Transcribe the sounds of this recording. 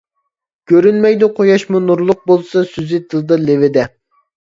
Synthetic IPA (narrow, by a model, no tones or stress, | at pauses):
kʲøɾynmɛjd̪uqʰojɑʃmunuɾlˠʊq̚bolˠsɑsyzɪt̪ʰɨlˠɨd̪ɑlevɪd̪ɛ